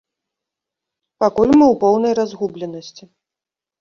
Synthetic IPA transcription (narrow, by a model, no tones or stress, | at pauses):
pakulʲmɨwpɔwnɐjrazɣublʲɛnɐsʲt͡sʲi